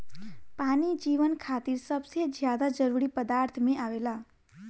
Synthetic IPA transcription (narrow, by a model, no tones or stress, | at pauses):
panid͡ʒiʋənkʰat̪iɾsəbsjed͡ʒjad̪ad͡ʒəɾuɾipəd̪aɾt̪ʰmẽaʋela